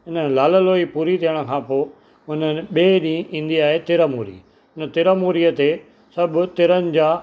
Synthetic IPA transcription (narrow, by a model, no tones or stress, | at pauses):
ɦɪnə̆laːləloːipuːɾit̪ʰiəɽ̃ə̆kʰãːpoː | ʊnən̆ɓeːɗĩːʔĩːnd̪iaːɦet̪ɪɾəmuːɾḭː | ʊnət̪ɪɾəmuːɾijət̪e | sɐbʊ̆t̪ɪɾənɪ̆d͡ʑaː